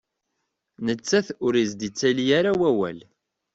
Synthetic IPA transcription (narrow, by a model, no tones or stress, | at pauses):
nət͡sːæθʊɾizd̪it͡sːælijaɾawæwæ̰l